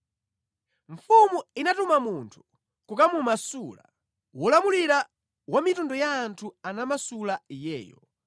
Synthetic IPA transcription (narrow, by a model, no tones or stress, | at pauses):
ɱ̩fumuinatumamuntʰu̥ | kukamumasula̰ | wɔlamuliɾa | wamitundɔjaːntʰuanamasulajɛ̰ːjɔ̰